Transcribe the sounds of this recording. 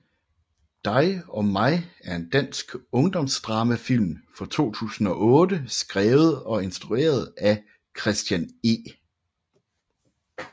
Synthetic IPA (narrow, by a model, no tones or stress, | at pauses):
d̥ɑ̈ɪɒ̽mɑ̈ɪæɐe̝nd̥æn̰sɡ̥ɔ̽ŋd̥ɒ̽msd̥ʁɑ̈ːməfil̰mfɒ̽t͡sʰo̝̰ːt͡sʰṵːsn̩ɒ̽ʔɔ̽ːd̥əsɡ̥ʁɛːʊð̞̩ˠɒ̽e̝nsd̥ʁue̝̰ːɐð̞̩ˠæ | kʰʁɛsd̥jæne̝ː